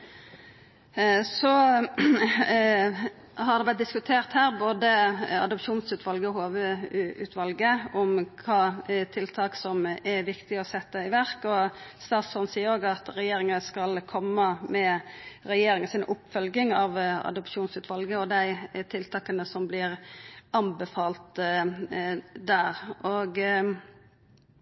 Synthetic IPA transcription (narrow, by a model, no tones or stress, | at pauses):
sɔ | hɑɾd̪ɛblɛt̪̚d̪ɪskʉt̪ʰeːʁt̪hæːɾboːd̪əɑ̰d̪ɔpʃuːnsʉːt̪ʰʋɑlɡəɔhoːʋəʉ̰ːt̪ʰʋɑlɡəɔmkʰɑːt̪ʰɪlt̪ʰɑːksɔmɛʋɪkt̪ɪɔsɛt̪ːəɪʋæɾkɔst̪ɑːt̪sfɔnsiːəɾoːɡɑt̪ɾɛjeːɾɪŋəskɑlkʰɔmːəmɛɾɛjeːɾɪŋəsɪnʊpːfœlɡɪŋɑʋɑ̰d̪ʊpʂuːnsʉːt̪ʰʋɑlɡəɔd̪æɪt̪ʰɪlt̪ʰɑːkənəsɔmblɪɾʔɑmbəfɑːlt̪ | d̪æːɾʔɔɡ